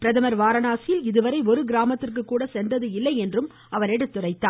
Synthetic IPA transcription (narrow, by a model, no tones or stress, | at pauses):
pɪɾɐðɐmɐɾʋaːɾɐnaːsɪjɪlɪðɯʋɐɾɐɪɔɾɯɡɪɾaːmɐt̪ːɪrk̬ɯkːuːɽɐsɛndrɐðɯɪlːɐɪɛndrɯm | ɐʋɐɾɛɽɯt̪ːʊrɐɪt̪ːaː